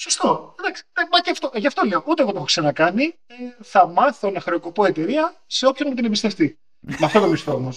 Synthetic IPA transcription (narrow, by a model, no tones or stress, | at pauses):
so̞st̪o̞d̪ɐksi̥d̪ɐmɐceft̪oʝɐft̪o̞leoʔut̪eɣot̪oxoksɐnɐkɐniθɐmɐθo̞nɐxɾe̞oko̞po̞e̞t̪e̞ɾiɐse̞o̞pçonmet̪inebist̪e̞ft̪i | mɐft̪o̞t̪omist̪oomos